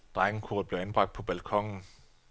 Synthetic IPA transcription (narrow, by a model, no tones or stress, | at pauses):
d̥ʁaɡ̥n̩kʰuɐd̥̚b̥le̝ʊænb̥ʁɑ̈ɡ̥̚d̥̚pʰɒ̽b̥ælkʰɒ̽ŋ̰n̩